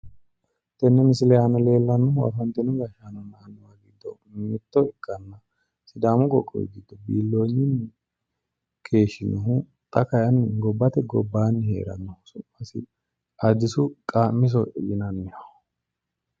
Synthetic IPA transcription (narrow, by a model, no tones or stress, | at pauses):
t̪ɛnːɛmɪsɪlɛjanɔle̞ːlːɐnːɔwɐ̰fɐnt̪ːɪnɔɡɐʃanɔnanwaɡɪd̪ːɔ̰ | mɪt̪ːɔɪkʼːɐnːɐ | sɪd̪aːmʊkʼɔkʼːɔ̰ɡɪd̪ːɔbiːlːo̞ːɲːɪnː | kʰe̞ːʃɪnɔɦʊ | t̪ʼɐkɐjɐnːɡɔbːɐt̪ɛɡɔbːaːnːhḛːɾɐ̰nːɔhsʊmɐsɪ̰ | ɐd̪ɪsʊkʼaːmːɪs̬ɔjɪnɐnːɪhɐ